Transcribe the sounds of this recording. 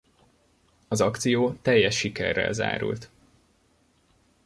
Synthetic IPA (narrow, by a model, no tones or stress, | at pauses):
ɒzɒkt̪sijoːt̪ɛjːɛʃːikɛrːɛ̰lza̰ːɾṵlt̪